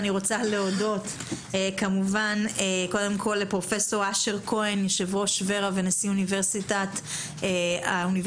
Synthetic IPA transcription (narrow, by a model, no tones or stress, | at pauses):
niʁo̞t͡saleodo̞t | ekamuvaneko̞d̪e̞mkʰo̞lːepʁo̞fe̞so̞ʁaʃeʁkʰo̞enjeʃevʁoʃve̞ʁavenesiunive̞ʁsitat̪ | auniv